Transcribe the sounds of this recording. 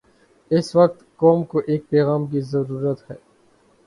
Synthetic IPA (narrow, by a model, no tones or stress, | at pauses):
ɪsʋɐk̚t̪kɔːmkoʔeːk̚pɛːɣaːmk̬izɐɾuːɾət̪hɛː